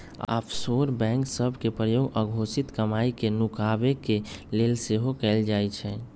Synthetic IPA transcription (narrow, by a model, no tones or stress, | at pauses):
a̰pʰsoɾbɛ̃ːŋksəbʱkepɾəjoːɡəɡʱosit̪kəmaikenukabekeleːlseɦokɛːld͡ʒaɛt͡ʃʰɛ̃